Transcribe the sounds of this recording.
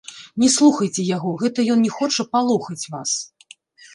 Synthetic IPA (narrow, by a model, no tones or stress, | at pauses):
nʲɛslˠuxɐjt͡sʲɛjaɣɔɣɛt̪ɐjɔnnʲɛxɔt͡ʂɐpalˠuxɐt͡sʲvas